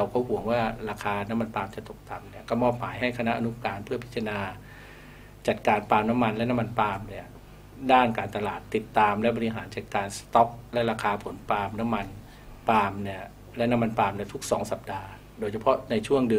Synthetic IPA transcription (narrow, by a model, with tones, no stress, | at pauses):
ɾa˧wkɔː˥˩ɦu˨˩˦əŋwaː˥˩ɾaː˧kʰaː˧na˦˥mːa˧npaː˧mt͡ɕa˨˩t̪o˨˩k̚t̪a˨mni˥ɐkɔː˥˩mɔː˥˩p̚ma̰ː˩˦jɦa˥˩jkʰa˧na˦˥ʔa˧nu˦˥kaː˧npʰɯ˥˩ɐpʰi˦˥t̪t͡ɕʰːa˧naː˧ | t͡ɕa˨˩t̪̚kaː˧npaː˧mna˦˥mːa˧nlɛ˦˥na˦˥ma˧npaː˧mni˥˩ɐ | daː˥˩nkaː˧nt̪a˧laː˨˩t̪ːi˨˩t̪ːaː˧mlɛ˦˥ʔbɔ˧ɾi˦˥ɦaː˩˦nt͡ɕa˨˩t̪̚kaː˧nst̪ɔ˦˥p̚lɛ˦˥ʔɾaː˧kʰaː˧pʰo˩˦npaː˧mna˦˥mːa˧n | paː˧mni˥˩ɐ | lɛ˦˥ʔna˦˥mːa˧npaː˧mni˥˩ɐt̪ʰu˦˥k̚sɔː˩˦ŋsa˨˩p̚daː˧ | doː˧jt͡ɕʰa˧pʰɔ˦˥ʔna˧jt͡ɕʰu˥˩əŋdɯ˧